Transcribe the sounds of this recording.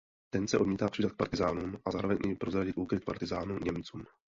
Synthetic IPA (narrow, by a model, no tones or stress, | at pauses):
t̪ɛnsɛʔo̞dmiːt̪aːpr̥idat̪k̚pa̰ɾt̪ɪzaːnumʔazaːɾo̞vɛɲɲʔɛjpɾozɾaɟɪt̪ʔuːkɾɪt̪̚pa̰ɾt̪ɪzaːnuɲɛmt͡suːm